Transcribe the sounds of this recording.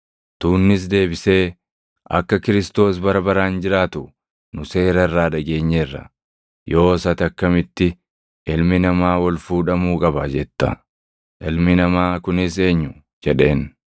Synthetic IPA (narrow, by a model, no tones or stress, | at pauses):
t̪uːnːɪs̬d̪e̞ːbɪse̞ː | ɐ̰kːɐkɪɾɪst̪o̞ːsbɐɾɐbɐɾaːnd͡ʒɪɾaːt̪ʊ | nʊse̞ːɾɐɪrːaːᶑɐɡe̞ːɲːɛrːɐ̰ | jo̞ːsɐt̪ɐkːɐmɪt̪ːɪ | ɪlmɪnɐmaːwɔlfuːᶑɐmuːkʼɐbɐd͡ʒɛt̪ːɐ̰ | ʔɪlmɪnɐmaːkʊnɪs̬e̞ːɲːʊ | d͡ʒɛᶑe̞ːn